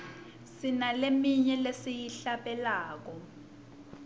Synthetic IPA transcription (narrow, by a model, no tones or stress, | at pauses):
sinalemiɲɛlesijiɬaɓɛlaːk̬ɔ